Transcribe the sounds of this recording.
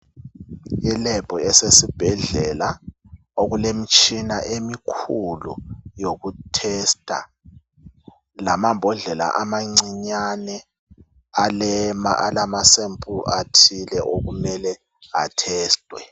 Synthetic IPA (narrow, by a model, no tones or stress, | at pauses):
ilɛbʱʼɔɛsesib̥ʱɛɮɛla | oɣulem̩t͡ʃʼinaʔemikʰulṵjoɣutʰɛstʼa̰ | lamambʱɔɮɛla̰ʔamaŋ͡ǀiɲanɛ | alɛma̰ʔalamasempʼʰuʔatʰilɛʔoɣumɛlɛ | a̰tʰɛːstʼwɛ̰